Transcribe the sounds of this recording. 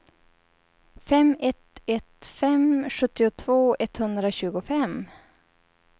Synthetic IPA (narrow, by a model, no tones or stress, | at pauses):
fɛmɛt̪ɛt̪fɛmɧɵt̪ːɪʊt̪ʰvoːɛt̪hɵnd̪ɾaɕʉ̟ːɡʊfɛm